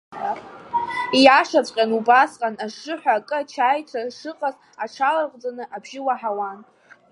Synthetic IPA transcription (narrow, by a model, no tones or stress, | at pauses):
ijaʂat͡sʷʼqʲʼanubasqʼanaʂːɨħʷᶣaːkʼɨat͡ʃʰaːjtʷʰaʂɨqʼaz | aʈ͡ʂʰalarqʷʼd͡zanɨʔabʒɪwaħawan